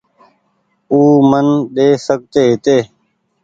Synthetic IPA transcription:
uːmənɗeːsək̚t̪eːɦɪt̪eː

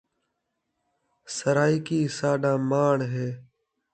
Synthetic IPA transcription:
səɾaːikiːsaːɗãːmaːɳɦeː

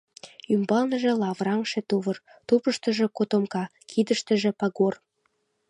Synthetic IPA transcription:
ymbɑlnəʒĕlɑβrɑŋʃĕt̪uβər | t̪upəʃt̪ə̆ʒĕkot̪omkɑ | kʰid̪əʃt̪ə̆ʒĕpɑɣor

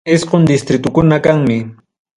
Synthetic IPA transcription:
ɪsqond̪ɪst̪ɾɪt̪ʊkʊnakaŋmɪ

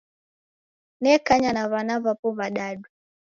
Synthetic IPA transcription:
nɛkaɲanaβanaβapɔβaɗaɗu

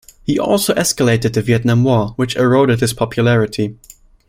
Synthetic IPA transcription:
hiʔɔ̰lˠsoʊʔɛskəleɪɾɨd̪̚ðɨviɛtⁿnãmwɔɹwɨt͡ʃəɹoʊɾɨd̚hɨz̥pʰɑpʰjɨlæɹɨtʰi

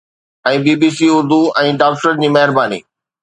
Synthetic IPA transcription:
ɛ̃ːbiːbiːsiʊɾd̪uɛ̃ːɖaːkʈəɾd͡ʑiːmɐɦɪɾbaːnḭː

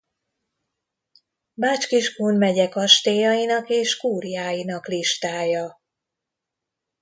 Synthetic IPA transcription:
maːt͡ʃkiʒʃkuːnmɛɟɛkɒʃt̪eːjɒjinɒkeːʃkuːrjaːjinɒkliʃt̪aːjɒ

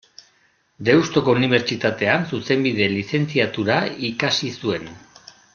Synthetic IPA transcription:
d̪e̞wst̪o̞ko̞uniβ̞e̞ɾt͡ʃit̪at̪e̞ansuse̞mbið̞e̞lise̞nt͡siat̪uɾaikasisue̞n

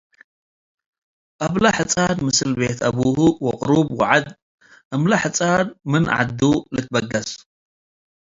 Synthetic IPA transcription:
ʔaβlaħɨt͡sʼanmɨsɨlbet̪ʰʔɐβuhuwɔqʼʊɾubwɔʕad̪̚ | ʔɐmlaħɨt͡sʼanmɨnʕa̰d̪ːulɨt̪̚bɐɡɐs

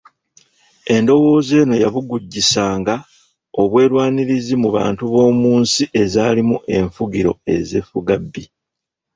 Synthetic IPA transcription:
e̞ndo̞wo̞ːze̞ːno̞jaβuɡuɟːisaːŋɡa | o̞βwe̞ːɾwaːniɾizimuβa̰ːntuβo̞ːmuːnsiʔe̞zaːlimuʔe̞ɱfuɡiɾo̞̰e̞̰zefuɡabːi

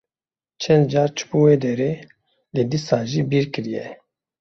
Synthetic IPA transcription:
t͡ʃʰɛnd̪̚d͡ʒaːɾt͡ʃʰbuwed̪ɛɾe | led̪isaːʒibiːɾkɨɾijɛ

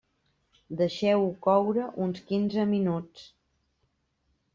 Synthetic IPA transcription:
d̪əʃɛwukɔwɾəʔunskinzəminut͡s

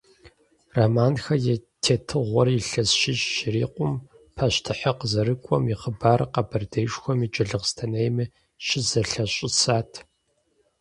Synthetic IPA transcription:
ramaːnxɐjɛtʰeːtʰɨʁʷɔriɬɐsʃɪɕːɪɾḭːqʷʊm | pʰɐɕtʰɨħɐqəzɐɾɨkʷʼɔmiχəbaːrqɐbɐrdeːʂxʷɔmit͡ʃʼɐɮɨʁstʰɐnejmɨ | ʃɪzɐɬɐɕʼɪsaːtʰ

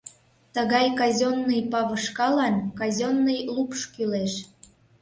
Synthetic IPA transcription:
t̪əɣɑjkɑzʲonːəjpɑβəʃkɑlɑnkɑzʲonːəjlupʃkyleʃ

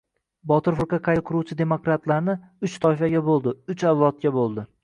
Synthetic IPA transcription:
bɒt̪ɪɾfʊɾqɑqʰɑjqʰʊɾuwt͡ʃʰɪd̪e̞mokɾat̪laɾnɪ | ʊt͡ʃt̪ʰɒɪfaɡʲabolˠd̪ɪʊt͡ʃawlˠɒt̪̚kʲabolˠd̪ɪ

